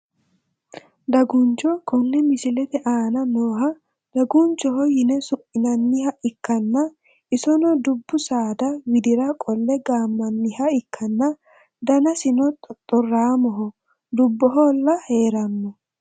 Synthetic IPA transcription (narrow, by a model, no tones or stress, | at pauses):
d̪ɐɡʊnt͡ʃːɔkɔnːɛmɪsɪlɛt̪ɛʔaːnɐnoːɦɐ | d̪̥ɐɡʊnt͡ʃːɔɦɔjɪnɛsʊʔɪnɐnːɪhɐʔɪkːɐnːɐ | ʔɪsɔnɔd̪ʊbːʊsaːd̪ɐwɪd̪ɪɾɐkʼɔlːɛɡaːmːɐnːɪhɐɪkːɐnːɐ | d̪ɐnɐsɪnɔt̪ʼɔt̪ʼːɔrːaːmɔɦɔ | d̪ʊbːɔɦolːɐhe̞ːɾɐmːɔ